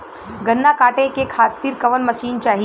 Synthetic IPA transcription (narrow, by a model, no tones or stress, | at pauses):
ɡʱənːakaːʈẽkekʰaːt̪iːɾkɐʋənməʃiːnt͡ʃaːɦi